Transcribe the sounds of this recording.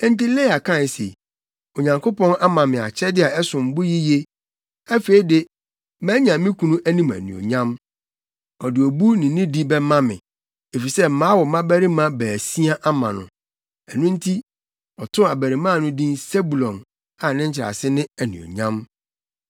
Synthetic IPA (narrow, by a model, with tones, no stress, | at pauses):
ɛ̃˦n˦ti˦le˦a˨kʰã˦˨n˨sḛ˨ | o˨ɲã˨ŋkʰo˦pʰɔ̃˦na˦mã˨mɪ̃˨a̰˨t͡ɕʰɛ˦dɪ˦a˨ɛ˦sʊ̃˨m̩˨bʊ˦ji˦je˦ | æ˦feː˨i˦de˦ | mæ̃˦ɲã˨˦mĩ˦kʰũ˨nũ˦ʔæ˦nĩ˦mæ̰˨nṵ̃˨o̰˨ɲã˦m | ɔ˨dɪ˨o˨bu˦nɪ̃˨˦nĩ˦di˦bɛ˦mã˦mɪ̰̃˨ | e˨fi˨sɛ˦m̩˨mãː˨˦wɔ˨mã˦bæ˦ɾi˦mã˦bæː˨si˦a˦ʔa˦mã̰˨nʊ̰̃˨ | ɛ˨nʊ̃˦n̩˦tʰi˦ | ɔ˨tʰʊ̃˦a˨bæ˨ɾi˨mã˦˨nʊ̃˦dĩ˦nse˦bu˨lɔ̃˨n | a˨nɪ̃˦ɲ̩˦t͡ɕʰɪ˨ɾa̰˨sɪ˦nɪ̃˦æ˨nṵ̃˨o̰˨ɲã˦m